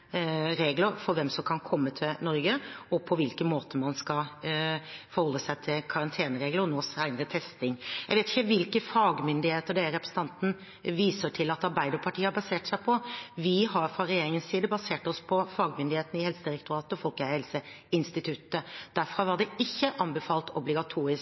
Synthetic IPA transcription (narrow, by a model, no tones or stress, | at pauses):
ɾeːɡləɾfɔɾʋɛmsɔmkʰɑnkʰɔmːət̪ʰɪlnɔɾɡəɔpʰɔʋɪlkənmoːt̪ʰəmɑnskɑ | fɔɾhɔlːəsæɪt̪ʰɪlkʰɑɾɑnt̪ʰeːnəɾeːɡləɾnoːsæɪnəɾət̪ʰɛst̪ɪŋjæɪʋeːt̪ɪ̥çːəʋɪlkəfɑːɡmʏnd̪ɪheːt̪əɖ̪ɛɾɛpɾə̥sn̩t̪ɑnt̪n̩ | ʋiːsəʈʰɪlɑt̪ɑɾbæɪd̪əɾpʰɑʈʰiːəhɑɾbɑseːʈsæɪpʰɔʋɪɦɑɾfɾɑɾɛjeːɾɪŋənsiːd̪əbɑseːʈɔspʰɔfɑːɡmʏnd̪ɪheːt̪nɪhɛlsəd̪ɪɾɛk̚t̪ʊɾɑːt̪əɔfɔlkəhɛlsə | ɪnst̪ɪt̪ʰʉt̪ːəd̪̥æɾfɾɑʋɑɖɛɪçːəʔɑnbəfɑːlt̪ʰɔblɪɡɑt̪ʰuːɾɪs